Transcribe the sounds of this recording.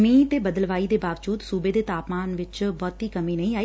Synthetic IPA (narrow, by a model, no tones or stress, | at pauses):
miːtt̪eːbəd̪əlʋaːiːd̪eːbaːʋd͡ʒuːd̪suːbeːd̪eːt̪aːpmaːnʋɪt͡ʃbɔːt̪ɦiːkəmiːnəĩːaːiː